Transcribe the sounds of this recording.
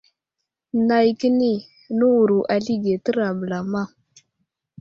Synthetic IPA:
na˨jki˦ni˦ | nu˦wu˨ɾu˨ʔa˨ɬi˦ɡe˨tə˦ɾa˨bə˨la˨ma˦

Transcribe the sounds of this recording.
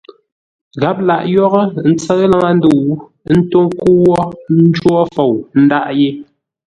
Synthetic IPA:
ɣa˨˦p̚la̰˨ʔjɔ˦ɣə˦n̩˦t͡sə˦ɣə˦la˦ŋa˦n̩˦du˨˦ | n̩˦to˦ŋku˦wɔ˦n̩˦d͡ʒwɔ˦fo˨wn̩˦da˦ʔje˦

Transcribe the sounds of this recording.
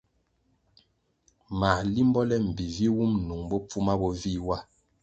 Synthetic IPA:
ma˨li˦mbɔ˦lɛ˦m̩˨bi˨vi˦wu˦mnu˨ŋbɔ˦p͡fu˦ma˦bɔ˦vi˦wa˦

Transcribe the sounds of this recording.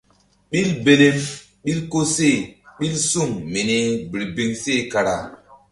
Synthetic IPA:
ɓi˦lbe˨le˦m | ɓi˦lko˦se˦˨ɓi˦lsu˦˨ŋmi˨ni˦bi˨ɾbi˨ŋse˦˨ka˨ɾa˨

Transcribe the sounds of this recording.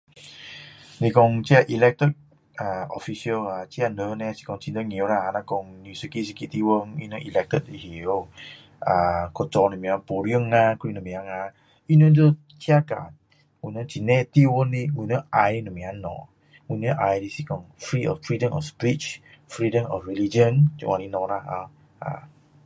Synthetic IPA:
ni˧kɔ˧ŋt͡ʃi˦a˧ʔi˨lɛk̚t̪ət̚ | a˨ɔ˨fi˧siə˧la˨t͡ʃi˦a˧nə˧nɛ˧si̥˧kɔ˧ŋt͡ʃi˧nd̪ə˧ŋi˨o˧ɾa˧a˧na˧kɔ˧ŋnu˧˨su˧ki˦si˧ki˧t̪i˧wə˧ŋi˧nə˦ʔi˨lɛ˧k̚t̪ə˦t̚i˨ɦi˨o˦ | akɔ˧t͡ʃɔ˧nu˨mĩ˨a˧pu˨ɾi˦ə˧ŋa˧kuɾi˧nu˨mĩ˨a˧ŋa˧ | i˦no˦də˦ | t͡ʃi˦aka̰˨ | ɡu˨nə˦t͡ʃi˧nɛ˦t̪i˦wə˦ni˦ɡu˨nə˦ʔa˧jni˦nu˨mĩ˨a˧nɔ̰˨ | ŋu˨nə˦ʔajdi˧si˦kɔ˨ŋfɾiɔ̰˨ffɾidəmɔ̰spit͡ʃfɾidəmɔ̰˨fɾilid͡ʒənd͡ʒṵ˨wʔa˨ni˧nɔ˨ɾaa˧ | a̰

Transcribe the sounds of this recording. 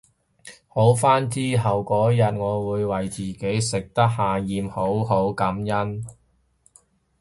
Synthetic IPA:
ho˨˥wfaː˥nt͡siː˥ɦɐ˨wkɔː˨˥jɐ˨t̚ŋɔː˨˧wuː˨˧jwɐ˨˩jt͡siː˨ke˨˥jsɪ˨k̚t̪ɐ˥k̚haː˨jiː˨mho˨˥wɦo˨˥wkɐ˨˥mjɐ˥n

